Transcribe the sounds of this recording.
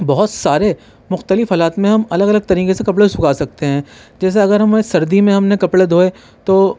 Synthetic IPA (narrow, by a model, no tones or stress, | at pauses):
bɐɦʊt̪saːɾe | mʊxt̪əlɪfɦaːlaːt̪mẽɦɐmɐləɡɐləɡ̚t̪ɐɾiːkesekɐpɭesʊkaːsɐk̚t̪eɦɛ̃ːd͡ʒɛːs̬eɐɡəɾɦɐmsɐɾd̪imẽɦɐmnẽkɐpɽed̪ʱoːe | t̪oː